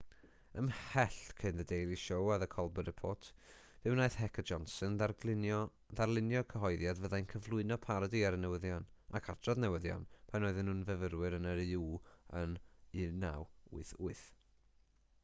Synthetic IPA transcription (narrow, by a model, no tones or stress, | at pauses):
əmhɛɬkʰɪnðədejɾiʃowaðəkʰɔlˠbədəpʰoːtʰ | v̥ɨwnaɨθɦɛkʰəd͡ʒɔnsənarlɪ | ðarlˠɪnjɔkʰəɦɔɨðjadvəðajnkʰəvlˠʊɨnɔpʰaɾɔdiaɾənɛwəðjanakʰatʰrɔðnɛwəðja̰npʰanoːɨðɪnhunvəvəɾwɨɾənəɾiuːənɨna̰wṵɨθʊɨθ